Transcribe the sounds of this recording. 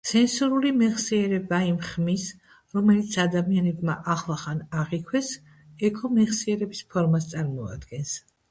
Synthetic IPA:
sɛnsuɾulimɛʁsiɛɾɛbaimχmis | ɾɔmɛlit̪sʰad̪amianɛbmaʔaχlˠaχanaʁikʰwɛs | ɛkʰɔmɛʁsiɛɾɛbispʰɔɾmast̪sʼaɾmɔa̰d̪ɡɛns

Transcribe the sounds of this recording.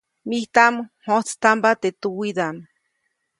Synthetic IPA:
miht̪amhot͡st̪ambat̪et̪uwid̪am

